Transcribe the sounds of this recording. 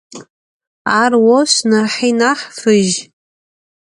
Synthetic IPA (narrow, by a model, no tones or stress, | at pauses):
arwoʃʷnarħinaħfɨʒ